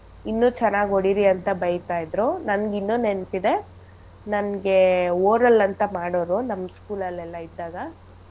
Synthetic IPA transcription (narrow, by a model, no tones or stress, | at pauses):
inːuːt͡ʃɛnːaːɡoɽiɾiɐnt̪ɐbɐjt̪aːjid̪ɾunɐnɡinːuːnent̪id̪e̞ | nɐnɡe̞oːɾɐlɐnt̪ɐmaːɽoːɾunɐmːskuːlɐlːɛlːɐid̪ːaːɡɐ